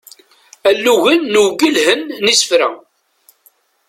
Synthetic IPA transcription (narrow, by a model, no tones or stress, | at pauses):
ælːuʝənːuwɡilhənːisə̥fɾæ̰